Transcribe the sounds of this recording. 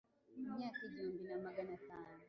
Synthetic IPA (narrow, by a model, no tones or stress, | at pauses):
m̩ɲakid͡ʒumbinamaɡanasana